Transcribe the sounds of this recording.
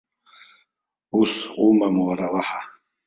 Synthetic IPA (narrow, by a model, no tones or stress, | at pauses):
usumamuwaɾawaha